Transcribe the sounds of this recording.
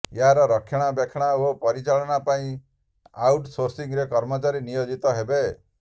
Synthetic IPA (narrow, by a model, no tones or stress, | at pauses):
eɦaɾɔɾɔkʰːjɔɽ̃abekʰɽ̃aopɔɾit͡ʃaɭɔɽ̃apaĩ | awʈsoɾsiŋɾekɔɾmɔt͡ʃaɾinijod͡ʒit̪ɔɦebe